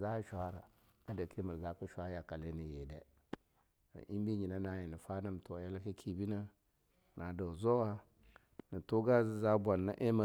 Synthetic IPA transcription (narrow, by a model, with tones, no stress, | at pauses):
za˦ʃʷa˨˦ɾa˨ | a˦da˨kʰe˦mə˨ɾza˦ku˦ʃʷa˦ja˨ka˨le˦ni˨je˨de˨ | ʔi˦mbi˦ɲi˨na˦na˨je˨ni˨fa˦na˦m˨to˨ja˦la˦ki˦kʰi˨bi˦na˦ | na˨da˨zo˦wa˦ | nə˨to˦ɡa˦zi˦za˦bʷa˨nːa̰˦ʔe˦ma˨